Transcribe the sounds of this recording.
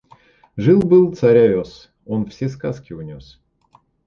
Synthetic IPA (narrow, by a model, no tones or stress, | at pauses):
ʐɨlˠbɨlˠt̪sɐɾʲaos | onfsʲeskaskʲɪʊnʲos